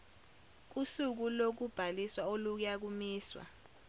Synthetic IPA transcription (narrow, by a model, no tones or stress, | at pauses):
k̬usuk̬ulok̬ub̥ʱaliswaoluk̬ujak̬umiːswa̰